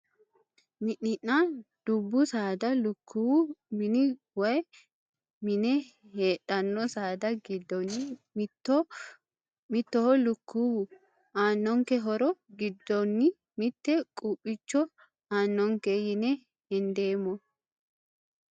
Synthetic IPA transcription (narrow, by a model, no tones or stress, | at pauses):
mɪʔːɪnːɐd̪̥ʊbːʊsaːd̪ɐlʊkʰːuwʊmɪnɪ | wɐj | mɪnɛ | heːᶑɐnːɔsaːd̪ɐɡɪd̪ːɔnːɪ | mɪt̪ːɔhɔlʊkːuw | ʔaːnːɔŋkɛɦɔɾɔɡɪd̪ːɔnːɪ | mɪt̪ːɛkʼupʼːɪt͡ʃːɔ | aːnːɔŋkɛjɪnɛ | hɛnd̪eːmːɔ